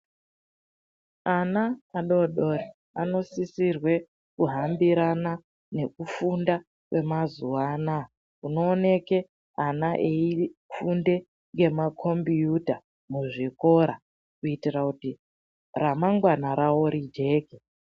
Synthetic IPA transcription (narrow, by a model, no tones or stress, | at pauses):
anaːɗo̞ɗori | ano̞sisirwe̞ | kuɦambiɾana | ne̞kufunda | kwe̞mazuwaːna | uno̞ːne̞ke | anaʔeifunde̞ | ŋɡe̞makʰo̞mbijuta | muʐiko̞ɾa | kuitirakuti | ramaŋɡwanaɾawo̞ɾid͡ʒe̞ːke